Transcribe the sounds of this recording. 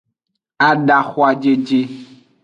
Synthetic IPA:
a˨ɖa˨xo˦a˨d͡ʒe˦d͡ʒe˦

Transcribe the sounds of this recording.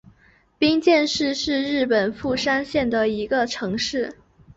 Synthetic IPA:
pi˥ŋt͡ɕjɛ˥˧nʂɻ̩˥˧ʂɻ̩˥˧ɻɻ̩˥˩pə˨˩nfu˥˩ʂa˥nɕjɛ˥˩nd̪ə˩i˧˥ɡə˧ʈ͡ʂʰɤ˧˥ŋʂɻ̩˥˩

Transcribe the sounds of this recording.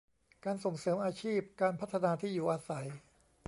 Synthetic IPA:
kaː˧nso˨˩ŋsɤː˩˦mʔaː˧t͡ɕʰiː˥˩p̚kaː˧npʰa˦˥t̪ʰːa˧naː˧t̪ʰiː˥˩juː˨˩ʔaː˧sa˩˦j

